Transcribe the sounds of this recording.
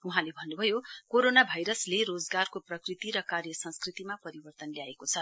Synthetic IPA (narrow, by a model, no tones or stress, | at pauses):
uɦãlebʱʌnːubʱʌjokoɾonabʱajɾʌsleɾod͡zɡarkoprʌkrit̪iɾʌkarjʌsʌ̃nskrit̪imapʌɾibʌrt̪ʌnljaekot͡sʰʌ